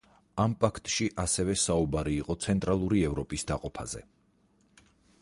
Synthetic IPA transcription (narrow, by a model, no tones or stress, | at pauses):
ampʼakʰt̪ʼʃiʔasɛvɛsaubaɾiːqʼɔt̪sʰɛnt̪ʼɾalˠuɾiɛvɾɔpʼisd̪aqʼɔpʰa̰zɛ̰